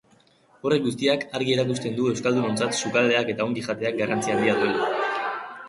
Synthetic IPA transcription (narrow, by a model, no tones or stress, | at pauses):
o̞re̞kɡust̪iakaɾɣie̞ɾakust̪e̞nd̪ue̞wskald̪uno̞nt͡sat̪sukald̪e̞ake̞t̪ao̞ŋɡiʝat̪e̞ak̚ɡarant͡siaːnd̪iaðue̞la